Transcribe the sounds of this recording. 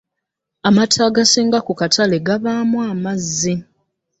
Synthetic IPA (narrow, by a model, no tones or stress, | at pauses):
amatʰaɡasiːŋɡakukatʰale̞ɡaβaːmwaːmazːi